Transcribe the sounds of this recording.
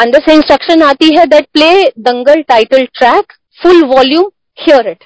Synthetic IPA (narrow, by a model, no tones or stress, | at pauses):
ə̃nd̪əsɪ̃nsʈɾəkʃə̃nat̪iɦɛd̪ɛʈ̚pleːd̪ə̃ŋɡəlʈaɪʈəlʈɾæk | fʊlʋɔljũːm | hiəɾɪʈ